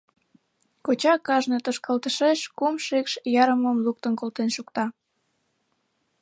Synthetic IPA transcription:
kot͡ɕɑkɑʒnet̪oʃkɑlt̪əʃeʃkumʃekʃjɑɾəməmluk̚t̪ənkolt̪enʃukt̪ɑ

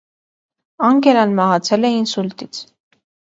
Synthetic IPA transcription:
ɑŋkɛɾɑnmɑɦɑt͡sʰɛlɛinsult̪it͡sʰ

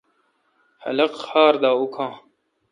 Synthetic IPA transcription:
hɐ̰lɐqhaːɾd̪aːukʰãː

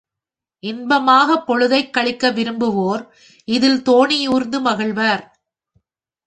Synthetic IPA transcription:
ʔɪnbɐmaːɣɐpːɔɻɯðɐɪkːɐɭɪkːɐʋɪɾɯmbɯʋoːɾ | ʔɪðɪlt̪oːɳɪjuːɾnd̪ɯmɐɣɪɭʋaːɾ

